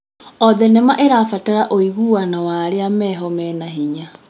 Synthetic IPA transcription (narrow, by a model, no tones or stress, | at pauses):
ɔðɛnɛmaʔeɾafataɾaʔoiɣuwanawaːɾeamɛɦɔmɛnaɦiɲa